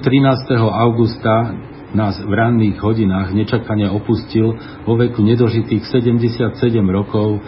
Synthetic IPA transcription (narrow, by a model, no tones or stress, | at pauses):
t̪ɾinaːst̪ɛɦɔaʊɡust̪a | naːzvɾaːnːiːɣɦɔɟinaːɣɲɛt͡ʃakaɲɪaɔpuscil | ʋɔʋɛkuɲɛd̪ɔʒit̪iːxsɛɟɛmɟɛsɪat̪sɛɟɛmɾɔkɔʊ